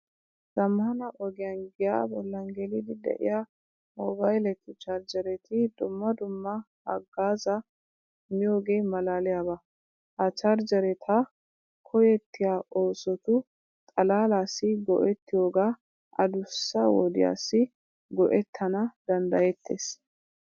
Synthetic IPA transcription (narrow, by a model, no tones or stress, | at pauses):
z̥ɐmːɐhɐnɐʔɔɡɪjɐnɡɪja̰bɔlːɐŋɡɛlɪd̪ɪd̪ɛ̰ʔɪ̰ja | mɔbɐjlɛt̪ɪt͡ʃaɾd͡ʒɐɾɛt̪ʰɪd̪ʊmːɐd̪ʊmːɐ | hɐ̰ɡːaːzɐ | mɪjo̞ːɡe̞ːmɐlaːlɪjabɐ | hɐt͡ʃaɾd͡ʒɐɾɛt̪ʰɐ | kʰɔjɛt̪ːɪjaːʔoːsɔt̪ʊ | t̪ʼɐlaːlaːsːɪɡɔ̰ʔɛt̪ːɪjo̞ːɡaː | ʔɐ̰d̪ʊsːɐwɔ̰d̪ɪ̰ja̰ːsɪ | ɡɔʔɛt̪ʰːɐnɐd̪ɐnd̪ɐjɛt̪ʰːḛːs